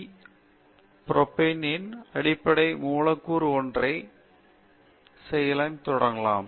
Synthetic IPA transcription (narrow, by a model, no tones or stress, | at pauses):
propːeːnːiɐnɐɽipːɐɽɐɪmuːɭɐkːuːɾɔɳdre | sejɐlɐnt̪ɔɽɐŋɡɐlaːm